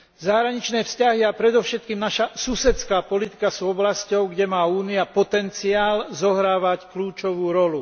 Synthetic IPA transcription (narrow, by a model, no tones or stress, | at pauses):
zaɦɾaɲit͡ʃnɛːfscaɦiapɾɛd̪ɔʊʃɛt̪̚kiːmnaʃasusɛt̪t͡skaːpɔlit̪i̥kasuːɔblascɔʊɡɟɛmaːuːniapɔt̪ɛnt͡siaːlzɔɦɾaːʋackluːt͡ʃɔʋuːɾɔlu